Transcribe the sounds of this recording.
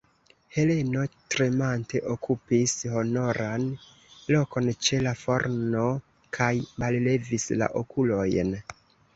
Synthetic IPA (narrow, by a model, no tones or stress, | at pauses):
he̞le̞no̞tɾemante̞ʔokʰupisho̞no̞ɾan | lo̞ko̞nt͡ʃe̞lafo̞ɾno | kʰajmalle̞visla̰ʔokulo̞jn